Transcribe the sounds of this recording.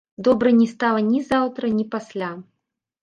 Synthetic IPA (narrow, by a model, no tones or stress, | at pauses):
d̪ɔbɾɐnʲɛst̪alˠɐnʲizawt̪ɾɐnʲipasʲlʲa